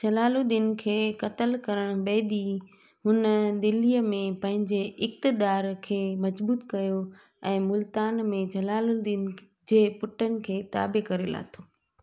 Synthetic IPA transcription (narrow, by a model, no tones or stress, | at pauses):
d͡ʑɐlaːlud̪ɪn̆kʰeːkɐt̪əlkɐɾəɽ̃ʊbeːd̪i | ɦʊnəd̪ɪlijəmẽpɐ̃ɦɪ̃ɲd͡ʑeɪk̚t̪ɪd̪aːɾkʰeːmɐzbuːt̪kɐjo | ɛ̃ːmʊlt̪aːnmẽd͡ʑɐlaːlud̪ɪn | d͡ʑeːpʊʈʰənɪ̆kʰeːt̪a̰ːbekɐɾela̰ːt̪ʰoː